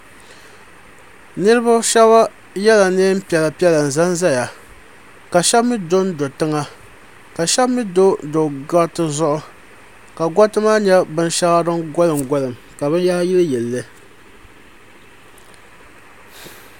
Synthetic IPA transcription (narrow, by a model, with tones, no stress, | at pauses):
nɨ˦ɾɨ˦ba˦ʃɛ˦ba˦ | jɛ˦la˨neː˦m̩˦pi˨ɛ˨la˨pi˦ɛ˦la˨n̩˨za˦nza˦ja˨ | ka˨ʃɛ˦bmi˦do˦ndo˨tɨ˦ŋa˦ | ka˨ʃɛ˦bmi˦do˦do˨ɡa˦tɨ˦zʊ˦ʔʊ˦ | ka˨ɡɔ˦tɨ˦maː˦ɲɛ˦bɨ˦nʃa˦ɣa˦dɨ˦ɡɔ˦lɨ˨mɡɔ˦lɨ˨m | ka˨bɨ˦nja˦hji˦lɨ˦jɛ˨lːɨ˦